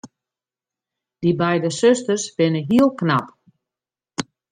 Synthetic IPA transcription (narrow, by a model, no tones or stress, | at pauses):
d̥ibɛjdəsøstərsʋɪnəɦiəlˠknap